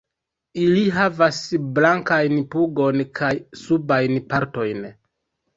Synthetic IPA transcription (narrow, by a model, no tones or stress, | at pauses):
iliɦavasblaŋkajnpuɡo̞nkʰajsubajnpaɾto̞jn